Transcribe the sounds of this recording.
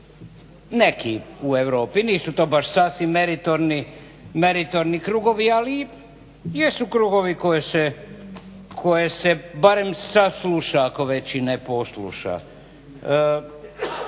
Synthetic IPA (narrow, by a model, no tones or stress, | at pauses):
nekiue̞ʋɾo̞ːpiniːsut̪oːbaʃsasʋimːeɾit̪oɾni | meɾit̪oɾnikɾuɡoʋiali | jesukɾuɡoʋiko̞jese | kʰo̞jesebaɾe̞msasluʃaːko̞ʋet͡ɕinepo̞slṵʃa̰